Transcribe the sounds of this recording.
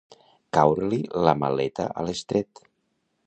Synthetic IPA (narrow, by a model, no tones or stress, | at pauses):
kawɾlilamalet̪a̰ʔə̰lest̪ɾet̪